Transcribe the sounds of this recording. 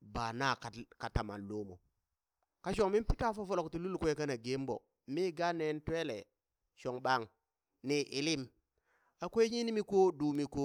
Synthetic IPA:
ba˨na˦˨ka˨ka˨ta˨ma̰˨llo˦mo̰˨ | ka˦ʃ̬o˨ŋmi˦pi˦ta˦fo˦fo˦lo˨kti˨lu˦lkʷe˨ka˦na˨ɡe˦mbo̰˨ | mi˦ɡa˦ne˦ntwe˦lḛ˨ | ʃo˨ŋba˦˨ŋ | ni˨ʔi˨li˦m | a˨kʷo˦e˦ɲi˦ni˦mi˦ko˦du˨mi˨ko˦

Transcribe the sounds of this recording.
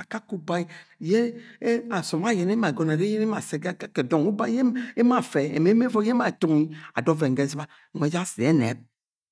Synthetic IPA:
a˨ka˦ku˦ba˦i˦je˦a˨sɔ˨m˦a˦˨jɛ˨ne˦ma˨ɡɔ˨na˨ɾe˦je˦ne˦ma˨sɛ˨ɡa˨ka˦ke˨dɔ˨ŋu˦ba˦je˦e˦ma˨fɛ˨ḛ˨me˨˦me˦vɔ˦je˦ma˦˨to˦ŋi˦a̰˨dɔ˦vɛ˨ŋ̩˨ɡe˦si˦ba˦˨ŋʷ˨e˨˦d͡ʒa˦se˨˦nɛ̰˨˦p̚

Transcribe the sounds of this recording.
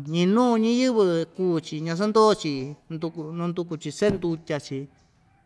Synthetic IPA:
ɲĩ˧nũː˦˧ɲĩ˦jɨ˦βɨ˧kuː˦t͡ʃi˧˨ɲã˧s̬a˦nd̪o˦˧t͡ʃi˧nd̪u˧knũ˧nd̪u˧ku˧t͡ʃi˧se˦nd̪u˧tʲa˧t͡ʃi˧

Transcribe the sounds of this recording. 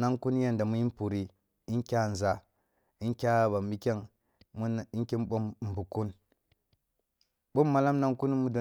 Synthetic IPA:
na˦ŋku˦n˦ja˦nda˨mu˦ji˦pu˨ɾi˨ | i˦nkʲa˦˨n˨za˨ | i˦nkʲa˦ba˨mi˦kʲe˦˨ŋ | mu˦˨i˦kʲe˦m˦ɓo˦mm˨bu˨ku˦n | ɓo˦mːa˨la˦mna˦ŋku˦n˦mu˦do˨

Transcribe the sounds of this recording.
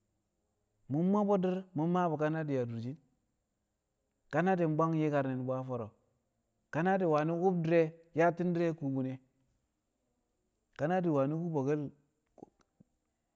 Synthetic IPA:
mu˦mːa˦bo˦di˦ɾmu˦mːa˦bu˨ka˦na˦di˨ja˨du˨d͡ʒi˦n | ka˦na˦di˨m˦ba˦ŋje˦ka˨ɾne˨n˨ba˦fo˨ɾo̰˨ | ka˦na˦di˨wa˨ni˦ɡu˦bdɾe˦ja˦ti˦n˦di˦ɾe˦ku˦bu˨ne˦ | ka˦na˦di˨wa˨ni˦ɡu˦bo˨ɡe˦l

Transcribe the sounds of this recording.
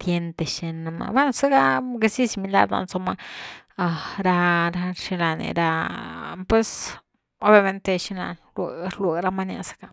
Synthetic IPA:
t̪je˧nt̪e˨ʃe˧na˧ma̰˧ba˦nsa˦ɡa˦ɡe˧si˦si˧mi˧la̰˧ɾa̰˧nt͡so˧ma˧a˧ɾa˧ɾa˧ʃi˧la˧nḛ˨ɾa˧ | pwe˧s | o˦bja˧me˧nt̪e˧ʃi˧la̰˧nle˨ɾlwe˧˨ɾa˧ma˦˧nja̰˧sḁ˧ka˧

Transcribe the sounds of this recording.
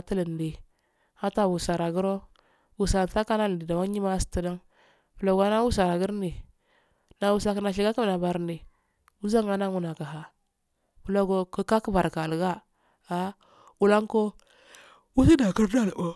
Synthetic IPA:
tə˦lə˨n˨di˨ | ha˦ta˨wu˨sa˨ɾa˨ɡu˦ɾo˦ | wu˨sa˨n˨ta˦ka˦na˦lndi˨da˨wa˦ɲi˦ma˦stə˦da˦ŋ | bə˨lo˨ɡa˦na˦wu˦sa˨ɾa˨ɡə˦ɾni˨ | na˨wu˨sa˨kna˨ʃi˨ɡa˦ki˦m˨na˨ba˨ɾni˨ | u˦za˦ŋa˦na˦ŋu˦˨na˨ka˨ɦa˨ | bu˨˦lo˦ɡo˦kə˦ka˦kə˦ba˨ɾka˨lɡa˦ | a˦ | wu˨la˦ŋko˦ | wu˦si˦da˨ki˦ɾda˦˨lo˦

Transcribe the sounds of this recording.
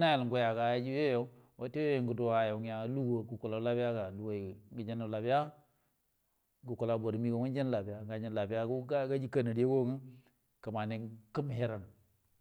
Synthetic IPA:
na˦je˨lŋ˨ɡu˦ja˨ka˨ja˦d͡ʒi˦je˦jo˦wo˦te˦jo˦je˨ŋɡu˨do˨a˨jo˨ŋ˦a˨˦lu˦wo˨ɡu˨ku˨la˨˦la˦bi˦ja˦ka˨lu˨wo˨ɡi˨d͡ʒi˦nu˨la˨bi˦ja˦ | ɡu˨ku˨la˨bo˨ɾmi˦ko˨˦ŋu˦d͡ʒi˦n˦la˨bi˨ja˦ŋɡa˨ɲi˨n˨la˨bi˦a˦u˦ɡa˦d͡ʒi˦ka˦ni˨di˦je˦ɡo˦ŋu˦ | ka˨ma˨ne˨ŋki˦m˨i˦ɾa˨n

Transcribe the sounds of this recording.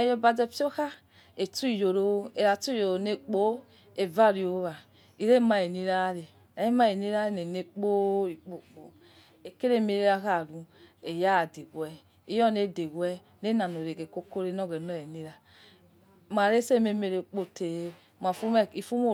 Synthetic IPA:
e˦˨˦jo˦ba˨d͡zɛ˦fi˦o˦xa˦ | e˨tu˦i˨jo˨ɾo˨˦e˨ɾa˨tu˦jo˨o˨ne˦k͡po˦ | e˨va˦˨ɾi˨o˨˦βa˨ | i˨ɾe˦ma˨e˨ni˦ɾa˦ɾe˨ | e˨˦e˦ma˦e˨ni˦ɾa˦e˦ne˨ne˦k͡po˦i˨k͡po˨k͡po̰˨ | e˨ke˦ɾe˦˨me˨ɾe˦ɾa˦ka˦˨ɾu˨e˨ja˦˨de˨ɡwɛ˨ | i˦jɔ˦ne˦˨de˨ɡwɛ˦ | ne˦na˨no˨ɾe˨ɡe˨ko˦ko˦ɾe˦n˦ɔ˦ɡe˨nɔ˦˨e˨ni˦ɾa˨ | ma˨ɾe˦se˦˨me˦me˨ɾe˨k͡po˨te˨ | m˨a˨fu˦me˦˨i˨fu˦mo˦˨

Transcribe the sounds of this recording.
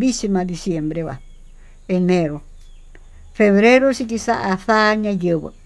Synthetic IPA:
bi˦si˧mã˧d̪i˧sje˧mbɾe˧βa̰˨ | e˧nẽ˧ɾo˨ | fe˧βɾe˦ɾo˦si˧t̪i˧sa˦ʔa˧θa˦ɲã˧jə˧βə̰˧

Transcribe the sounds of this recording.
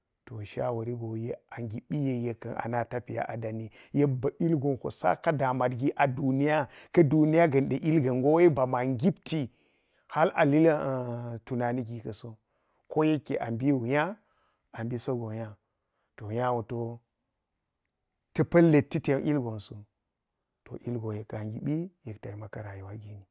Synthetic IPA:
to˨ʃa̰˦wo˨ɾi˦ɡo˨je˦a˨ŋɡi˨ɓi˦je˦je˨kɐ˨nʔa̰˨na˨ta˦pi˨ja̰˦ʔa˨da˨ni˦je˦ba˨i˦lɡo˨nho̰˨sa̰˦ka˦da˨ma˨dɡi˦ʔa˨du˨ni˦ja˦kɐ˦du˨ni˦ja˦ɡɐ˨nɗe˨ʔi˦lɡɐ˨nɡo˦wba˨ma˨ŋɡi˦pti˨ | ha˦la̰˨li˦ltu˨na˨ni˦ɡi˨kɐ˨so˦ | ko˦je˦kːḛ˨ʔa˨mbi˦wu˨ja˦ | a˨mbi˦so˦ɡo˨ja˦ | to˨ja˦wo˨to˨ | tɐ˦pɐ˦lːe˨tːi˦te˨˦ʔi˦lɡo˨nso˨ | to̰˨ʔi˦lɡo˨je˨ka˨ɡi˨ɓi˦je˨kta˨i˨ma˨ka˨ɾa˨ji˨wa˦ɡi˦ni˨

